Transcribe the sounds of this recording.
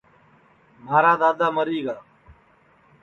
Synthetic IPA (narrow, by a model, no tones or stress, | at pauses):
maːɾaːd̪aːd̪aːməɾiːɡaː